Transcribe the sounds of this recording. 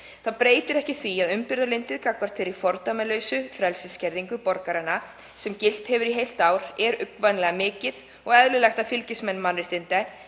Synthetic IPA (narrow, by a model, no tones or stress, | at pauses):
θaðpɾeːjt̪ɪɾɛhcɪθviaðʏmpɪɾðalejnt̪ɪðkakvaɾ̥t̪ʰɪɾifɔɾt̪amɛlœːɥsʏfɾɛlsɪscɛɾðiŋkʏpɔɾkaɾanːa | sɛmcɪl̥t̪hɛvʏɾiɦejl̥t̪aːwɾɛɾʏkvanlɛɣamɪːcɪð | ɔɣɛðlʏlɛxt̪afɪlcɪsmɛnːmanɾɪht̪ɪnt̪ɛ